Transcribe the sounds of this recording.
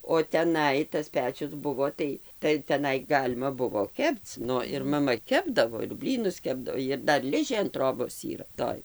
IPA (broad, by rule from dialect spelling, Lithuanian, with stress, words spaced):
oː tʲɛˈnɐɪ tɐs ˈpʲæːt͡ʃʲʊs ˈbʊʋoː ˈtɐɪ tɐɪ tʲɛˈnɐɪ ˈɡɑːlʲɪmɐ ˈbʊʋoː ˈkʲɛpt͡s ˈnʊ ɪr mɐˈmɐ ˈkʲæːbdɐʋoː ɪr ˈbʲlʲiːnʊs ˈkʲæːbdɐw ɪr ˈdɐr ˈlʲɪʒʲeː ɐn ˈtroːboːs ˈiːrɐ ˈtoːj